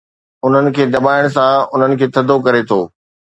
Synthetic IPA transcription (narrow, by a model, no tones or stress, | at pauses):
ʊn̤ənɪ̆kʰeːd̪ɐbaːɪɽ̃sãʊn̤ənɪ̆kʰeːt̪ʰɐd̪ʱokɐɾet̪ʰo̰ː